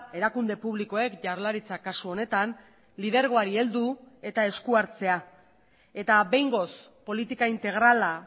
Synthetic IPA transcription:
e̞ɾakund̪e̞puβliko̞e̞kʝaɾlaɾit͡sakasuo̞ne̞t̪an | lið̞e̞ɾɣ̞o̞aɾie̞ld̪ue̞t̪ae̞skuaɾt͡se̞a | e̞t̪aβe̞jŋɡo̞s | po̞lit̪ikaint̪e̞ɣ̞ɾala

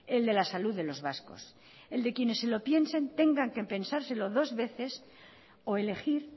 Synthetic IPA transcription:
e̞ld̪e̞lasaluððe̞lo̞zβasko̞̰s | eld̪e̞kje̞ne̞sːe̞lo̞pje̞nse̞nt̪e̞ŋɡaŋke̞pe̞nsaɾse̞lo̞ðo̞zβe̞θe̞s | o̞e̞le̞xiɾ

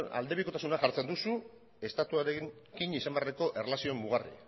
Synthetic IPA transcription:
a̰ld̪e̞βiko̞t̪asunaʝaɾt͡se̞nd̪usu | e̞st̪at̪uaɾekiɲisambeareko̞ʔe̞relasio̞emːuɣ̞arḭ

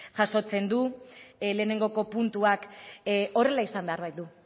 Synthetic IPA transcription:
ʝaso̞t͡se̞nd̪ule̞ːne̞ŋɡo̞ko̞punt̪uak | o̞re̞laisambe̞aɾβajd̪u

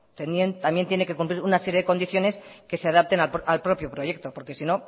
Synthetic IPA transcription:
t̪enjent̪ambje̞nt̪jene̞ke̞kumpliɾunase̞ɾjeðeko̞nd̪iθjo̞ne̞ske̞se̞aðap̚t̪e̞napʔalpɾo̞pjo̞pɾo̞je̞k̚t̪o̞po̞ɾke̞sino̞

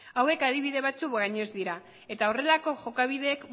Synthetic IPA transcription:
awe̞kað̞iβiðe̞β̞at͡sukɣaɲe̞zd̪iɾa | e̞t̪ao̞re̞lako̞ʝo̞kaβ̞iðe̞ːk

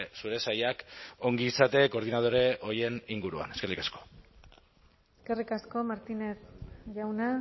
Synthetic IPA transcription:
suɾe̞sajako̞ŋɡiːsat̪e̞ko̞ɾð̞inað̞o̞ɾe̞o̞je̞niŋɡuɾua̰ne̞skerikasko̞̥ | eske̞rikasko̞maɾt̪inesʝawna

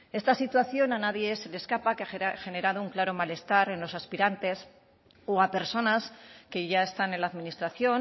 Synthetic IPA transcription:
e̞st̪asit̪waθjo̞nanaðjese̞leskapakeaxe̞ne̞ɾað̞ouŋklaɾo̞male̞st̪aɾe̞nlo̞saspiɾant̪e̞s | oape̞ɾso̞naske̞ʝae̞st̪anenlaːðminist̪ɾaθjo̞n

